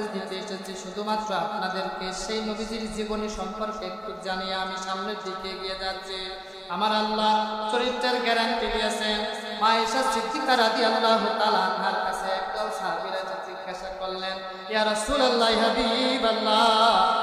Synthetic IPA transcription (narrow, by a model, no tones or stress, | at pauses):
d̪it̪eeʃet͡ɕʰiʃud̪ʱumat̪ːɾoapnad̪eɾkeʃejnobid̪iɾd͡ʑiboniʃɔmpɔɾkekt̪ukd͡ʑanijaamiʃamned̪it̪ieɡ̪ijed͡ʒat̪ːt͡ʃʰi | amaɾalːat͡ʃoɾitːeɾɡɛɾanʈib̪iasenmaeʃat͡ʃit̪ʰːit̪aɾad̪ialːaɦut̪alaapnaɾkasʰeɛk̚d̪ɔlsaɦabiɾad͡ʑed͡ʒiɡːaʃakɔlːen | jaɾɔsulɐlːaɦiɦɐb̪ibalːa